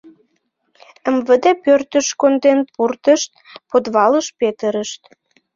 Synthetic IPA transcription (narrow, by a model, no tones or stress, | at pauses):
əmvəd̪epørt̪əʃkond̪enpurt̪əʃt̪̚ | pod̪βɑləʃpet̪əɾəʃt̪